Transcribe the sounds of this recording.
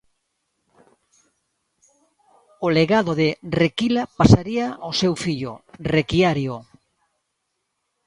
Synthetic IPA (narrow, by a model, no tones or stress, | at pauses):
oleɣaðoðerekilapasaɾiaosewfiʎʊ̰rekiaɾjo